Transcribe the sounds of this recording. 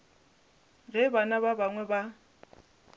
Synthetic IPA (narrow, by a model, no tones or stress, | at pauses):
ɣɛbanaβabaŋwɛba